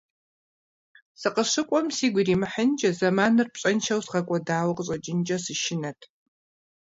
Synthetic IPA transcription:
sɨqəʂɨkʷʼɔmsiːɡʷiriːmɨħənd͡ʒɐzɐmaːnɨrpɕʼɐnʃɐwsʁɐkʷʼɔdaːwɐqəɕʼɐd͡ʒɪnd͡ʒʼɐsɨʃɪnɐtʰ

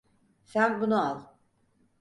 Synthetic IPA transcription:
sænbunualˠ

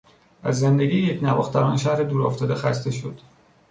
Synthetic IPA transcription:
æzːend̪eɟiːjecʰnævɒːxt̪ʰæɾɒːnʃæhɾed̪uːɾɒːft̪ʰɒːd̪exæst̪e̞ʃo̞d̪̥

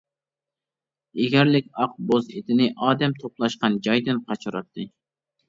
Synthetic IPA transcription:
eɡʲæɾlɪkʲɑq̚bozed̪ɪnɪʔɑːd̪ɛmt̪ʰoplˠɑʃqɑnd͡ʒɑjd̪ɨnqʰɑt͡ʃʰuɾɑt̪ʰːɨ

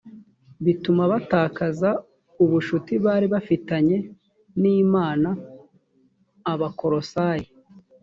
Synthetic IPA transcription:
βitumaβataːkaza | uβuʃutiβaːɾiβafitaɲe̞ | niːmaːna | βako̞ɾo̞saːji

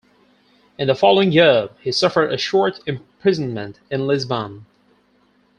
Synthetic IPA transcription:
ɨ̃nðəfɑlˠoʊɪ̃ŋjɪɹhisʌfə˞ɾɨʃɔɹɾɨ̃mpʰɹ̥ɪzn̩mɨ̃ntɨ̃nlɪzbə̃n

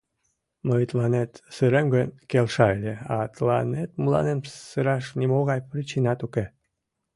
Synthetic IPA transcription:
məjt̪lɑnet̪sɨɾemɡənʲkelʃɑelʲeɑ̰t̪lɑnet̪mulɑ̰nensɨɾɑʃnimoɣɑjprit͡ɕinɑt̪uke

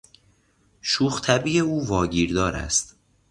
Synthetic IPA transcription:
ʃuːxt̪ʰæbiːeuːvɒːɟiːɾd̪ɒːɾæ̰st̪

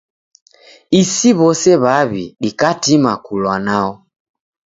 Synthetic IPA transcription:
isiβɔsɛβaβiɗikatimakulwanaɔ

